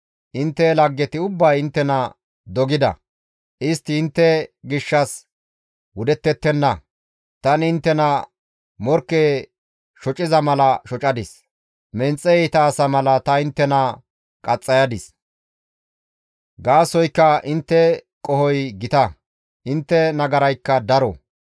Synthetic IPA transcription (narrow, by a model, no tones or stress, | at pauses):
ʔɪnt̪ːɛlɐɡːɛt̪ɪʊbːɐjɪnt̪ːɛnɐ | d̪ɔɡɪd̪ɐ̰ | ʔɪst̪ːɪɪnt̪ːɛɡɪʃːɐs | wʊd̪ɛt̪ːɛt̪ːɛnːɐ | t̪ɐnɪɪnt̪ːɛnɐ | mɔɾkːeː | ʃɔt͡ʃʼɪzɐmɐlɐʃɔt͡ʃʼɐd̪ɪs | mɛnt͡sʼːɛɛjt̪ɐːsɐmɐlɐt̪ɐɪnt̪ːɛnɐ | kʼɐt͡sʼːɐjɐd̪ɪs | ɡaːsɔjkːɐʔɪnt̪ːɛ | kʼɔhɔjɡɪt̪ɐ | ʔɪnt̪ːɛnɐɡɐɾɐjkːɐd̪ɐɾɔ